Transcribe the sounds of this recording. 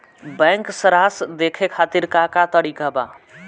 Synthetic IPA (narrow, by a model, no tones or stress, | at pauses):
bɛ̃ŋksəɾasd̪ekʰekʰat̪iɾkakat̪əɾikaba